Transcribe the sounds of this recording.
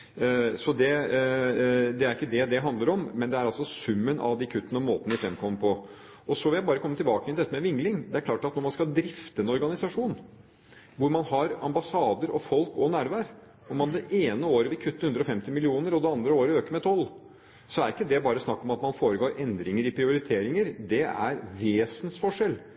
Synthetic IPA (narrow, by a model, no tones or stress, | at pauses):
sɔd̪ɛ | d̪ɛæɾɪkːəd̪ɛd̪ɛɦɑnd̪ləɾɔmːɛnd̪ɛæɾɑlsɔsʉmːənʔɑ̰ʋd̪ɪkʰʉt̪ːənəɔmoːt̪ənəʋɪfɾɛmkʰɔmːəɾpʰɔ | ɔsɔʋɪljæɪbɑːɾəkʰɔmːət̪ʰɪlbɑːkəjɛnɛt̪ːəmɛʋɪŋlɪŋd̪ɛæɾkʰlɑːʈɑt̪nɔɾmɑnskɑd̪ɾɪft̪əɛnɔɾɡɑnɪsɑʂuːn | ʋʊɾmɑnhɑɾɑmbɑsɑːd̪əɾʔɔfɔlkɔnæːɾʋæːɾ | ɔmːɑnd̪ɛʔeːnəoːɾəʋɪlkʰʉt̪ːəhʉnd̪ɾɔfɛmt̪ɪmɪlɪuːnəɾɔd̪ɛɑnd̪ɾəoːɾəøːkəmɛt̪ʰɔlː | sɔæɾɪkːəd̪ɛbɑːɾəsnɑkːɔmɑt̪mɑnfoːɾəɡoːɾʔɛnd̪ɾɪŋəɾɪpʰɾɪʊɾɪt̪ʰeːɾɪŋəɾd̪ɛæ̰ɾʋeːsənsfɔʂɛl